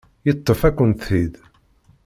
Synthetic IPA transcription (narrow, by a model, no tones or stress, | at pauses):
jət̪ˤːəfækʷːənt̪θið